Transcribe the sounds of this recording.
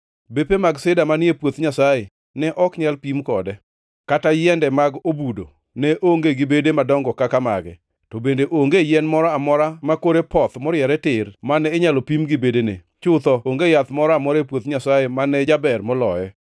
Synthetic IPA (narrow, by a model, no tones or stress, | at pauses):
bepemaɡsɪdamaniepwot̪ɲasaje | nɛʔɔkɲalpimkɔdɛ | katajɛndɛmaɡobudo̰ | nɛʔoŋɡeɡɪbedemadɔŋɡɔkakamaɡɛ̰ | tɔbendeʔoŋɡejɛnmɔɾɔamɔɾamakoɾepɔt̪mɔɾjɛɾɛtɪrmanɛːɲalɔpimɡɪbedenḛ | t͡ʃʊt̪ɔoŋɡejat̪mɔɾɔamɔɾepwot̪ɲasajemanɛd͡ʒabɛrmɔlɔjɛ